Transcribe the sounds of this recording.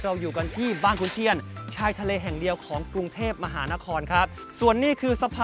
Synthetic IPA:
ɾa˧wjuː˨˩ka˧nt̪ʰiː˥˩baː˥˩nkʰu˧nt̪ʰi˧ənt͡ɕʰaː˧jt̪ʰa˧leː˧ɦɛ˨˩ŋdi˧əwkʰɔː˩˦ŋkɾu˧ŋt̪ʰeː˥˩p̚ma˧ɦaː˩˦na˦˥kʰɔː˧nkʰɾa˦˥p̚ | su˨˩ənːiː˥˩kʰɯː˧sa˧pʰaː˧

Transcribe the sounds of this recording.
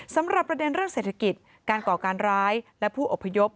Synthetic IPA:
sa˩˦mɾa˨˩pːɾa˧de˧nɾɯ˥˩əŋseː˨˩t̪ʰa˧ki˨˩t̪̚ | kaː˧nkɔː˨˩kaː˧nɾaː˦˥jlɛ˦˥pʰuː˥˩ʔo˨˩pʰːa˧jo˦˥p̚

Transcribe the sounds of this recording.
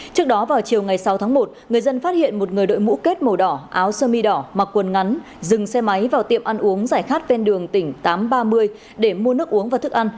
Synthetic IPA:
t͡ɕɨ˦˥ək̚ɗɔ˨˦vaː˨˩wt͡ɕi˨˩əwŋa˨˩jsa˨˦wt̪ʰːŋmo˨˩t̚ŋɨ˨˩əjzə˧nfaː˦˥t̚hḭ˧˨ənmo˨˩t̚ŋɨ˨˩əjɗo̰˧˨jmṵ˧˥ke˦˥t̚mə˨˩ɗɔ˧˩ʔaː˨˦wsəː˧mi˧ɗɔ˧˩ma˨˩kwə˨˩nŋa˨˦n | zɨ˨˩ŋsɛ˧ma˨˦jvaː˨˩wt̪ḭ˧˨əmʔa˧nʔu˨˦əŋzaː˧˩jxaː˦˥t̚vɛ˧nɗɨ˨˩əŋt̪ï˧˩ŋ̟t̪aː˨˦mɓaː˧mɨ˧əj | ɗe˧˩mu˧ənɨ˦˥ək̚ʔu˨˦əŋvaː˨˩t̪ɨ˦˥k̚ʔa˧n

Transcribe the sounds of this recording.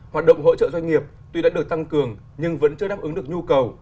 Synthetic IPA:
hwaː˨˩t̚ɗə̰˧˨wŋ͡mɦo̰˧˥t͡ɕə̰ː˧˨zwa˧ŋ̟ŋi˨˩əp̚ | t̪wi˧a̰ː˧˥ɗɨ˨˩ək̚t̪a˧ŋkɨ˨˩əŋ | ɲɨ˧ŋvə̰˧˥nt͡ɕɨ˧əɗaː˦˥p̚ʔɨ˨˦ŋɗɨ˨˩ək̚ɲu˧kə˨˩w

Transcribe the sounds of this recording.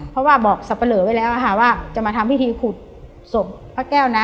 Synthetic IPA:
pʰɔ˦˥waː˥˩bɔː˨˩k̚sa˨˩pːa˧lɤː˩˦wa˧˥jlɛː˦˥wkʰa˧˩waː˥˩t͡ɕa˨˩maː˧mwi˦˥t̪ʰiː˧kʰuː˨˩t̪̚ | so˨˩p̚ | pʰːaː˧˩kɛː˥˩wna˦˥

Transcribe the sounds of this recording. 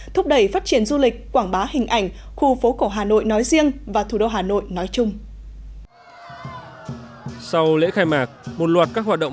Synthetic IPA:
t̪ʰʊ˦˥p̚ɗə˧˩jfaː˦˥t̚t͡ɕi˧˩ənzu˧lï˨˩k̟̚kːwaː˧˩ŋɓaː˨˦hï˨˩ŋ̟ʔa˧˩jŋ̟xu˧fo˨˦ko˧˩ɦaː˨˩no̰˧˨jnɔ˨˦jzi˧əŋvaː˨˩t̪ʰu˧˩ɗo˧wɦaː˨˩no̰˧˨jnɔ˨˦jt͡ɕʊ˧ŋ͡m | sa˧wlḛ˧˥xaː˧jmaː˨˩k̚mo˨˩t̚lwaː˨˩t̚kaː˦˥k̚ɦwaː˨˩t̚ɗə̰˧˨

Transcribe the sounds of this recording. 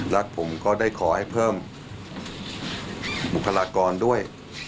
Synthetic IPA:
la˦˥k̚pʰo˩˦mkɔː˥˩daː˥˩jkʰɔː˩˦ha˥˩jpʰɤː˥˩m | bu˨˩kʰːa˧laː˧kɔː˧ndu˥˩əj

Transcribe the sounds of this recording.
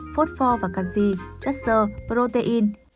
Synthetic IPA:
fu˦˥t̚fɔ˧vaː˨˩kaː˧˩kzi˧˩t͡ɕɛ˦˥səː˧˩pə˧ɾo˧t̪e˧ʔi˧n

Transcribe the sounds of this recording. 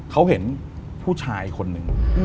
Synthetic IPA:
kʰa˦˥whe˩˦n | pʰuː˥˩t͡ɕʰaː˧jkʰo˧nːɯ˨˩ŋ

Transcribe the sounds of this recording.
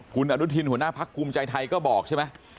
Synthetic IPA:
ku˧nʔaː˨˧˩ɗu˨˦˥t̪ʰi˧nhu˧˩naː˧˥pʰaː˦˥kːu˧mt͡ɕaː˧jt̪ʰa˧jkɔː˨˦ɓɔː˨˩k̚t͡ɕʰa˧˦maː˧˩

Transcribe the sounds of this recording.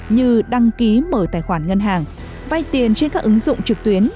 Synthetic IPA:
ɲɨ˧ɗa˧ŋki˨˦məː˧˩jt̪aː˨˩jxwaː˧˩nŋə˧nɦaː˨˩ŋ | va˧jt̪i˨˩ənt͡ɕe˧nkaː˦˥k̚ʔɨ˨˦ŋzʊ̰˧˨ŋ͡mt͡ɕɨ˨˩k̚t̪wi˨˦ən

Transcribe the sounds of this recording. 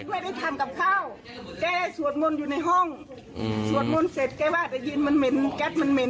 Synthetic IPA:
ma˧˩jda˧˩jt̪ʰa˧˦mka˧˦p̚kʰaː˧˥˩w | t̪ɛː˧˩da˧˩jsu˨˧˦ət̪̚mo˧˨njuː˧na˧˩jɦɔ˧˥˩ŋ | su˨˦ət̪̚mo˧˨nse˨˦t̪̚kɛː˧˩waː˧˩t̪da˧˩ji˧˨nma˧˥˨nme˧˦nkɛ˧˦˥t̪̚ma˧˨nme˧˦n

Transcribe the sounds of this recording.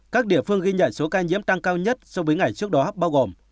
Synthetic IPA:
kaː˦˥k̚ɗḭ˧˨əfɨ˧əŋɣi˧ɲa̰ː˧˨jso˨˦kaː˧ɲḭ˧˥əmt̪a˧ŋkaː˧wɲə˦˥t̚sɔ˧vəː˨˦jŋa˨˩jt͡ɕɨ˦˥ək̚ɗɔ˨˦ɓaː˧wɣo˨˩m

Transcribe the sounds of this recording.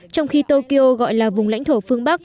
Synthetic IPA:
t͡ɕɔ˧wŋ͡mxi˧t̪o˧ki˧ʔo˧ɣɔ̰˧˨jlaː˨˩vʊ˨˩ŋ͡mla̰˧˥jŋ̟t̪ʰo˧˩fɨ˧əŋɓa˦˥k̚

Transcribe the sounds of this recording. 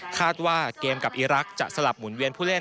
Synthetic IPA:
kʰaː˥˩t̪̚waː˥keː˧mka˨˩p̚ʔiː˧ɾa˦˥k̚t͡ɕa̰˨˩ʔsa˧la˨˩p̚mu˩˦nwi˧ənpʰuː˥˩le˥˩

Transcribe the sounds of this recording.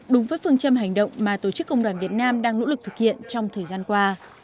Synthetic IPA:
ɗʊ˨˦ŋ͡mvəː˨˦jfɨ˧ənt͡ɕə˧mɦa˨˩jŋ̟ɗə̰˧˨wŋ͡mmaː˨˩t̪o˧˩t͡ɕɨ˦˥kːə˧wŋ͡mɗwaː˧˩nvi˨˩ət̚naː˧mɗaː˧ŋno̰˧˥lɨ˨˩k̚t̪ʰɨ˨˩k̚hḭ˧˨ənt͡ɕɔ˧wŋ͡mt̪ʰəː˨˩jzaː˧nkwaː˧

